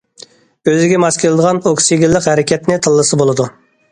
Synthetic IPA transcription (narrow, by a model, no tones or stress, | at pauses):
øzɪɡʲɛmɑskʲʰelˠɨd̪əʁɑnoksiɡʲilːɪqhɛɾɪkʲɛt̪nɪt̪ʰɨlˠːɨsɨbolˠɨd̪u